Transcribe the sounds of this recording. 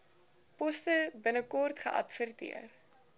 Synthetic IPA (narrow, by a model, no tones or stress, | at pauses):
pɔstəbənəkɔrtχəʔɐ̰tfərtḭər